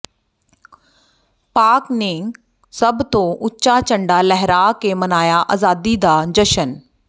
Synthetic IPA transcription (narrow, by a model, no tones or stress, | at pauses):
paːknẽː | sɐbt̪õʔʊt͡ɕat͡ɕɐ̃ɳɖalɛɦɪɾakeːmɐnaːjaʔa̰ːzaːd̪id̪aːd͡ʑɐʃən